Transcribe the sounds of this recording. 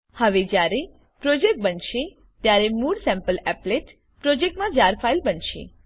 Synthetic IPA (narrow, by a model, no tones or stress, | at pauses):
həʋed͡ʒjaɾe | pɾod͡ʒek̚ʈ̚bənʃe | t̪jaɾemuɽsɛ̃mpəlɛpleʈ | pɾod͡ʒek̚ʈmãd͡ʒaɾfʰailbənʃḛ